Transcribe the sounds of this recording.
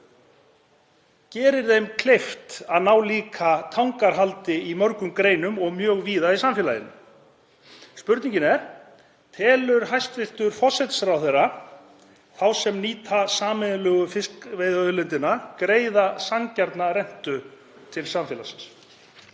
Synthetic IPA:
cɛːɾɪɾðejmkʰl̥ejft̪aðnaːwliːkʰat̪ʰawŋkaɾ̥ɦalt̪ɪimœɾkʏmkɾeːjnʏmɔɣmjœːɣviːðaisamfjɛlajɪ̰nːʏ̰ | spʏɾt̪niɲcɪnɛɾ̥ | t̪ʰɛːlʏɾɦajst̪vɪr̥t̪ʏɾ̥fɔsɛt̪sɾawθeɾːa | θawsɛmniːt̪ʰasaːmɪðlœːɣʏfɪskvejðœlʏnt̪ɪnakɾeːjðasaŋcaɾt̪naɾɛn̥t̪ʏ | t̪ʰɪlsamfjɛːlasɪ̥ns

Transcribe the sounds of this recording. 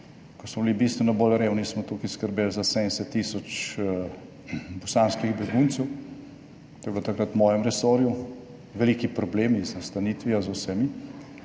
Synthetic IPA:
kɔsmɔbilibiːst̪ʋɛnɔbolɾeːwnismɔt̪ukiskəɾbeːlzasɛɛsɛt̪ːiːsɔt͡ʃ | bɔsanskiɣbɛɡunt̪sɛw | t̪ojblot̪akɾat̪wmɔːjɛmɾɛsɔːɾju | ʋɛliːkipɾɔbleːmiznast̪aniːt̪ʋiazawsɛmi

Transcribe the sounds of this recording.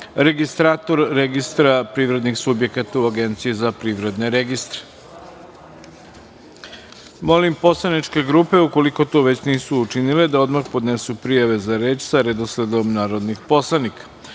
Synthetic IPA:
ɾe̞ɡist̪ɾaːt̪o̞ɾːeɡist̪ɾapɾiːʋɾe̞d̪nixsubje̞kat̪auaɡe̞nt̪sijezapɾiʋɾe̞d̪ne̞ɾeɡist̪ɾe̥ | mo̞limpo̞slˠanit͡ʃke̞ɡɾuːpe̞uko̞liko̞t̪o̞ːʋe̞t͡ɕniːsuːt͡ʃinile̞d̪ao̞d̪maxpo̞d̪ne̞supɾijaʋe̞zaɾe̞ːt͡ʃsaɾed̪osle̞d̪o̞mnaːɾo̞d̪nixpo̞slˠanikḁ

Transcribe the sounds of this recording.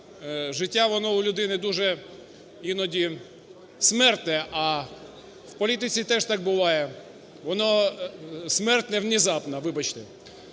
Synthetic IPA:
ʒɪtʲːaʋɔnɔʊlʲʊd̪ɪnɪd̪uʒɛ | inɔdʲi | smɛrt̪nɛʔɐ | wpɔlʲit̪ɪt͡sʲit̪ɛʐt̪ɑk̚bʊʋɑjɛ | ʋɔnɔ | smɛrt̪nɛwnʲizɑpnɐʋɪbɐt͡ʃt̪ɪ

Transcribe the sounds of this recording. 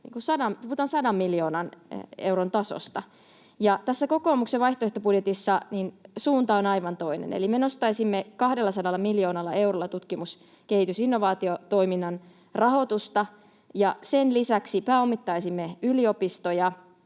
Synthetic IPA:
nḭŋkusɑdɑmpuuːt̪ɑnsɑdɑmːiljo̞ːnɑnewront̪ɑso̰st̪ɑ | jɑt̪æsːæko̞koːmukseʋɑiht̪oeht̪obudjet̪isːɑninsuːnt̪ɑonɑiʋɑnt̪o̞inḛnḛlimenost̪ɑisimːekɑhdelːɑsɑdɑlːɑmiljo̞ːnɑlːɑe̞urolːɑt̪ut̪kimus | kehit̪ysinːo̞ʋɑːt̪iot̪o̞iminːɑn | rɑɦo̞t̪ust̪ɑ | jɑsenlisæksipæːomːit̪ːɑisimːeylio̞pist̪ojɑ

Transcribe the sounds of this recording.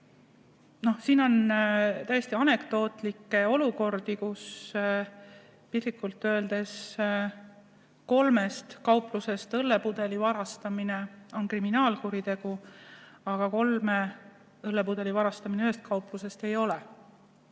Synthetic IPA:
no̞hsiːno̞nt̪æjest̪iɑne̞kt̪o̞ːt̪ˑlikːe̞o̞luko̞rd̪ikus | pisikːˑult̪ːˑøeld̪e̞s | ko̞lme̞st̪kɑwpˑluse̞st̪ɤlːe̞pud̪̥e̞livɑɾɑst̪ɑmine̞o̞nkriminɑːlkuɾit̪e̞ɡ̥u | ɑɡ̥ɑko̞lme | ɤlːepud̪̥e̞livɑɾɑst̪ɑmineøɦest̪̚kɑwpˑluse̞st̪e̞jo̞le

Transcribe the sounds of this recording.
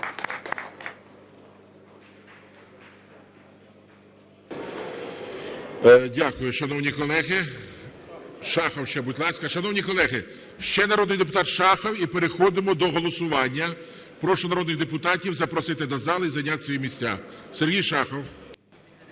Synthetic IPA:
dʲakʊjʊʃɐnɔwnʲikɔlˠɛɦɪ | ʃɑxɔwʃt͡ʃɛbutʲlˠɑsʲkɐʃɐnɔwnʲikɔlˠɛɦɪ | ʃt͡ʃɛnɐɾɔd̪nɪjd̪epʊt̪ɑt̪ʃɑxɔwipeɾexɔd̪ɪmɔd̪ɔɦɔlˠɔsʊʋɑnʲːɐ | pɾɔʃʊnɐɾɔd̪nɪɣd̪epʊt̪ɑtʲiwzɐpɾɔsɪt̪ɪd̪ɐzɑlˠɪizɐjnʲat̪sʲʋɔjimʲisʲt͡sʲa̰serɦʲijʃɑxɔw

